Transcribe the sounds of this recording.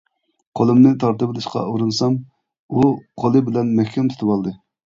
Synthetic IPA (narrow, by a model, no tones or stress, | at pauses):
qʰolˠɨmnɨt̪ʰɑɾt̪ɨbɪlˠɪʃqɑ̰uɾɨnsɑm | uqʰolˠɨbɪlɛnmɛhkʲʰɛmt̪ʰt̪ʰɨbɑlˠd̪ɨ